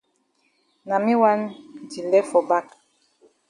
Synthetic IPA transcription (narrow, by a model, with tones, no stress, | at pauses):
na˨mi˦wa˦n˨d͡ʒi˨lɛ˦fɔ˨ba˦k